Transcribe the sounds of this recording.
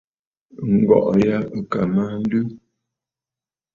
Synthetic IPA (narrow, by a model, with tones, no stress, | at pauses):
ŋ̩˨ɡɔ̰˨ʔja˦ə˨ka˨ma˦n̩˦dʉ˦